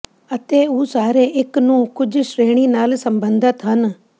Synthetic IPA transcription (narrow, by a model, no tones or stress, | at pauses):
ət̪eːuːsaːɾeʔɪknũːkʊd͡ʒʃɾeːɽ̃inaːlsəmbə̃nd̪ʱət̪ɦən